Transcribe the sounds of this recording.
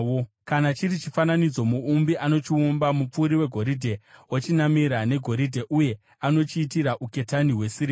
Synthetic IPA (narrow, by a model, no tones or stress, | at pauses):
o | kanat͡ʃirit͡ʃifananid͡zo̞muːmbiʔano̞t͡ʃiumbamup͡fuːɾiwe̞ɡʱo̞ɾidʱe̞wot͡ʃinamiɾane̞ɡʱo̞ɾidʱe̞ʔuje̞ | ano̞t͡ʃiːtiɾaʔuke̞taniɦwe̞siri